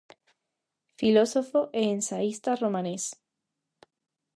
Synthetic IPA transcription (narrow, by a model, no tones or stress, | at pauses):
filosofoʔeːnsaist̪aromãnes